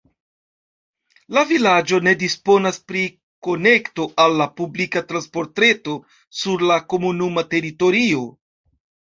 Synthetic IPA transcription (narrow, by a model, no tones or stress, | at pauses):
lavilad͡ʒo̞ne̞dispo̞naspɾi | ko̞ne̞kto̞ʔalːapublikatɾanspo̞ɾtɾe̞to̞ | suɾlako̞munumate̞ɾito̞ɾio̞